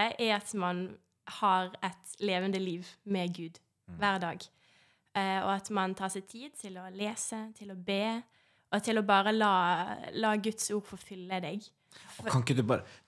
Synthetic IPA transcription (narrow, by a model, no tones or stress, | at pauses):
ʔɛɑt̪mɑn | hɑɾɛt̪leːʋənd̪əliːʋmɛɡʉːd̪ | ʋæːʁd̪ɑːɡ | ɔɑt̪mɑnt̪ʰɑːsɛt̪ʰiːd̪̚t̪ʰɪlɔleːsət̪ʰɪlɔbeː | ʔɔt̪ʰɪlɔbɑːɾəlɑːlɑːɡʉt̪suːɾfɔfʏlːəd̪ɛɡ | kʰɑŋkːəd̪ʉbɑːɾə